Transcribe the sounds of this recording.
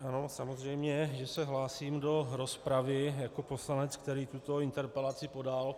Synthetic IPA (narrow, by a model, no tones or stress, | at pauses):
ʔano̞samo̞zr̝ɛjmɲɛʒɛsɛɦlaːsiːmdo̞ɾo̞spɾavɪjako̞po̞slanɛt͡skt̪ɛɾiːt̪ut̪o̞ɪnt̪ɛɾpɛlat͡sɪpo̞dal